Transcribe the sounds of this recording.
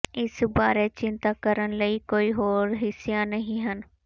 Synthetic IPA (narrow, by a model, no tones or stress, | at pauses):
ɪsbaːɾet͡ʃɪ̃nt̪akəɾəɽləikoːiɦoːɾɦɪsjanɐɦĩɦən